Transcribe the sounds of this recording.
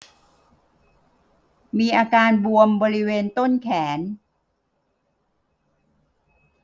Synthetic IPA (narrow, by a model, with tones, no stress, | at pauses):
miː˧ʔaː˧kaː˧nbu˧əmbɔː˧ɾi˦˥weː˧nt̪o˥˩nkʰɛː˩˦n